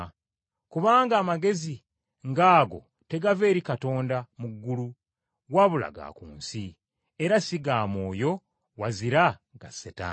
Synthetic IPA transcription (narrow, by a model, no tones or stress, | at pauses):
kuβaːŋɡaːmaɡe̞zi | ŋɡaːɡo̞̰ | te̞ɡave̞ːɾikato̞ːndamuɡːulu | waβula̰ɡa̰kṵːnsi | e̞ɾasiɡaːmoːjo̞ | waziɾaɡ̥aseta̰